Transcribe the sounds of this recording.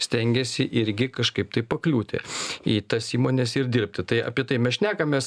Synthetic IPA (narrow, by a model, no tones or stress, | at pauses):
sʲt̪ʲɛŋʲɡʲɛsʲɪʔɪɾʲɡʲɪkɐʃkɐɪp̚t̪ɐɪpɐklʲuːt̪ʲɪ̰iːt̪ɐsiːmoːnʲɛsɪɾdʲɪɾʲp̚ʲt̪ʲɪt̪ɐɪɐ̰pʲiɛt̪ɐɪmʲɛsʃʲnʲæːkɐmʲeːs